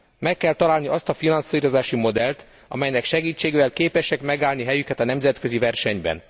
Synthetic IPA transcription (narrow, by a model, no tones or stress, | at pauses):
mɛkːɛlt̪ɒlaːlniʔɒst̪ɒfinɒnsiːɾo̞zaːʃimo̞d̪ɛlt̪ | ɒ̰mɛjnɛkʃɛɡiːt͡ʃːeːɡeːvɛlkeːpɛʃɛkmɛɡaːlniɦɛjykɛt̪ɒnɛmzɛt̪kø̞zivɛrʃɛɲbɛ̰n